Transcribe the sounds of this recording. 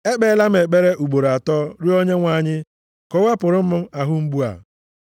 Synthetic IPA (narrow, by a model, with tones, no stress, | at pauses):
e˦k͡pe˦la˦m̩˦e˨k͡pe˦ɾe˦ʔu˨ɡ͡bo˨ɾa˨tɔ˦ɾi˦o˦ɲe˦ŋʷa˨ɲɪ˦ | kɔ˦wa˦pʊ˨ɾʊ˦m̩˦m̩˦a˨ɦʊ˦ŋ͡m̩˦ɡ͡bu˦a̰˨